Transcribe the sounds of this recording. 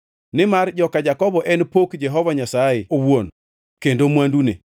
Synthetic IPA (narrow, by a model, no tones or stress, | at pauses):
nɪmard͡ʒɔkad͡ʒakɔbɔʔɛnpokd͡ʒɛɦɔvaɲasajɪowon | kendomwandunḛ